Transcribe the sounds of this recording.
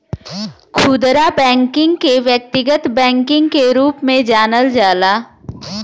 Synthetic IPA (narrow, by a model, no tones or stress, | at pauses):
kʰuːd̪ɾabɛ̃ːŋkɪ̃ŋɡkeʋjək̚t̪ɪɡət̪bɛ̃ːŋkɪ̃ŋɡkeɾuːpmẽd͡ʒaːnəld͡ʒaːlaː